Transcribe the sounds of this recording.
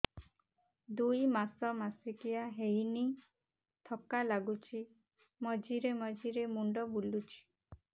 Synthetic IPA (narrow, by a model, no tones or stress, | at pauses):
d̪ujmasɔmasikijaɦejni | t̪ʰɔkalaɡut͡ʃʰi | mɔd͡ʒiɾemɔd͡ʒiɾemuɳɖɔbulut͡ʃʰi̥